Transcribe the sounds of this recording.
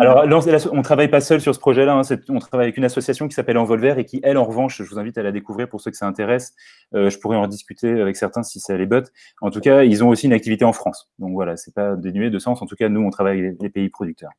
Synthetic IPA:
alɔʁlɑ̃lasɔ̃t̪χavajpasœlsyʁsə̥pχɔʒɛlaɛ̃sɛt̪ɔ̃t̪χavajavɛkynasɔsjasjɔ̃kʲi̥sapɛlɑ̃vɔlvɛʁekʲiʔɛlɑ̃ʁəvɑ̃ʃʒəvuzɛ̃vit̪alad̪ekuvʁiʁpuʁsøkʲi̥saɛ̃t̪eʁɛs | øʒəpuʁɛɑ̃d̪iskʲyt̪ʰeavɛksɛʁt̪ɛ̃sisɛlebɔt̪ | ɑ̃t̪ukailzɔ̃osiynak̚t̪ivit̪eɑ̃fχɑ̃sd̪ɔ̃kvwalasɛpad̪enɥed̪əsɑ̃sɑ̃t̪ukanuɔ̃t̪χavajaɛlepeipχɔd̪yk̚t̪œʁ

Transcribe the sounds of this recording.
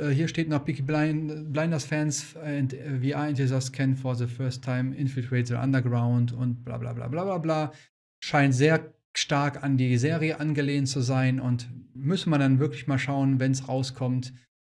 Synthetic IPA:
ʔɛːɦiːɐʃteːtnɔχb̥ɪkibablaɪndɐsfɛns | ɛntviːaːɛntɪzɐskʰɛnfɔɐðəfɜɐstʰaɪmɪnfɪtɛtəʔa̰ndɐɡʁaʊntʊnt̚b̥la̰ːbla̰ːbla̰ːblaːblaːblaː | ʃaɪntz̥eːɐ | ʃtaɐkandiːzeːʁiəʔanɡəleːəntt͡suzaɪnʊntmʏsəmandanvɪɐklɪçmaːlʃaʊənvɛnsʁaʊskʰɔmt

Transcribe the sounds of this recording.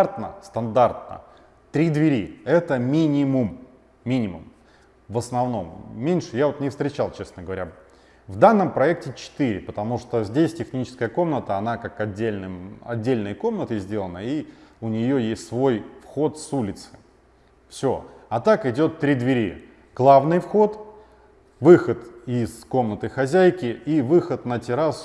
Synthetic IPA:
rt̪nəst̪ɐnd̪art̪̚nə̰ | t̪ɾʲid̪vʲɪɾʲiɛt̪əmʲinʲɪmʊmːʲ | inʲɪmʊ̰m | vəsnɐvno̞mːʲenʲʂɨjavo̞t̪nʲɪfst̪ɾʲɪt͡ɕalˠt͡ɕe̞snəɡəvɐɾʲa | vd̪anːəmpɾɐɛk̚tʲɪt͡ɕɪ̥t̪iɾʲɪpət̪ɐmuʂt̪ozʲdʲesʲtʲɪxnʲit͡ɕɪ̥skəjəko̞mnət̪əɐnakakɐdʲːelʲnɨmɐ̰dʲːelʲnəjko̞mnət̪əzʲdʲe̞lˠənəiʊnʲɪjo̞jesʲtʲsvo̞jfxo̞t̪sulʲɪt̪sɨ̥ | fsʲo̞̰ɐt̪akɪdʲo̞t̪ːɾʲid̪vʲɪɾʲi | ɡ̥lˠavnɨjfxo̞t̪ | vɨxət̪ɪzko̞mnət̪ɨxɐzʲæjkʲɪivɨxət̪nətʲɪɾas

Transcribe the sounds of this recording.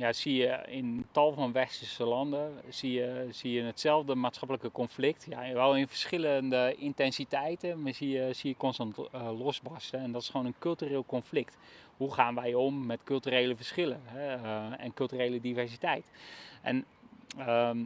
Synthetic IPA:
jasiəɪntɑlˠfɔnʋɛstəsəlɑndəsiəsiənətsɛlˠvdəmaːtsχɑpləkəkɔnflɪk̚tjaʋɛlˠɪnfə̥sχɪləndəɪntɛnsitɛjtəsiəsiəkɔnstɑntlɔsbɔstəɛndɔtɪ̥sχʋoːnənkɵlˠtyreːlˠkɔnflɪkthuχaːnʋɛjomːɛtkɵlˠtyreːləfərsχɪləɦɛɛnkølˠtyreːlədivɛrsitɛjtʔɛ̰n | ə

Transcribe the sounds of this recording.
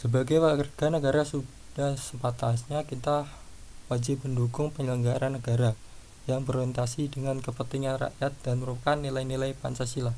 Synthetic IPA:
səbaɡajwakərɡ̥anəɡaɾasu | d̥ahsəmpat̪asɲakit̪ahwad͡ʒɪp̚bəndukʊŋpəŋɡəŋɡaɾʔanːəɡaɾa | jaŋbəɾent̪asidəŋankəpət̪iŋanra̰ʔjat̪̚d̥anməɾupakanːilajnilajpa̰nt͡ʃasilah

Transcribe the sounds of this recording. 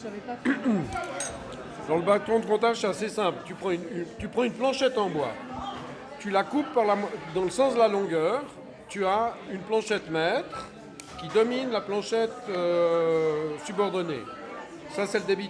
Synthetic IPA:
d̪ɑ̃ləbat̪ɔ̃d̪əkɔ̃t̪aʁʒsɛasesɛ̃plt̪ypχɑ̃ynt̪ypχɑ̃ynplɑ̃ʃɛt̪ɑ̃bwa̰ | t̪ylakupːaʁlamwad̪ɑ̃ləsɑ̃sd̪əlalɔ̃ɡœʁ | t̪yaynplɑ̃ʃɛt̪mɛt̪χ | kʲid̪ɔminlaplɑ̃ʃɛt̪ø | sybɔʁd̪ɔnḛ | sasɛləd̪ebi

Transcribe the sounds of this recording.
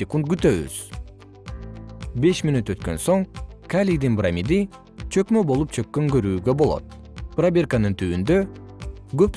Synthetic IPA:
ekunt̪̚ɡyt̪øβy̰z̥ | be̞ʃminut̪ø̞t̪kø̰nso̞ŋkalʲid̪inbɾamʲid̪i | t͡ʃʰø̞kmøbo̞lˠup̚t͡ʃʰøkːøŋɡøɾyːɡøbo̞lˠo̰t̪̚ | prabʲerkanɯnt̪ʰyːynd̪ø | ɡøp

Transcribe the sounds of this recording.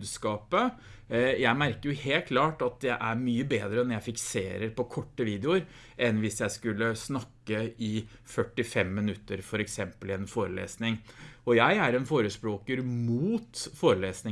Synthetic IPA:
d̪skɑːpə | jæɪmæɾkəɾjʊheːlt̪̚kʰlɑːʈɑt̪̚d̪æʔæɾmyːəbeːd̪ɾəɛnjæɪfɪksḛːɾəɾpɔkʰɔʈːəʋiːd̪ɛʊɾ | ʔɛnʋɪsjæɪskʉlːəsnɑkːəɪ | fœʈːɪfɛmːɪnʉt̪ːəɾfɔɾɛksɛmpəlɛnfoːɾəlḛːsnɪŋɔjæɪæɾɛnfoːɾəspɾoːkəɾmuːt̪foːɾəleːsnɪ

